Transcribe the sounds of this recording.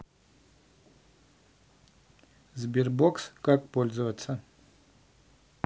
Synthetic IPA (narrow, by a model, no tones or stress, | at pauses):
zbʲirbokskakpɔlʲzɐvɐt̪sːə